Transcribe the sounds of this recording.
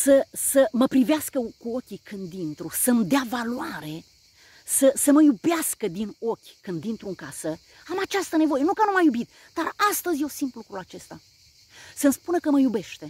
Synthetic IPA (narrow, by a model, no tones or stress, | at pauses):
səsəməpɾiveaskəkuo̞kʲikʰɨnd̪int̪ɾusəmd̪eavaluaɾe̞ | səsəməjubeaskəd̪ino̞kʲkɨnd̪int̪ɾuɨŋkasə | amat͡ʃast̪əne̞vo̞je̞nukənumajubit̪̚ | d̪arast̪əzʲje̞wsint̪lukɾulat͡ʃe̞st̪a | səmspunəkəməjube̞ʃt̪e̞